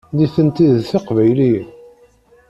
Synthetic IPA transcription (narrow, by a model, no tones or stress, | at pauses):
ðiθənt̪iðθiqvæjli